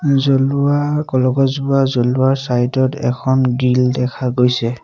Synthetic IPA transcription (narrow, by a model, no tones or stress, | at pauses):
zɔluakɔlɔɡɔzbuazɔluaɹsajtɔtɛ̰kʰɔnɡildɛkʰaɡojsɛ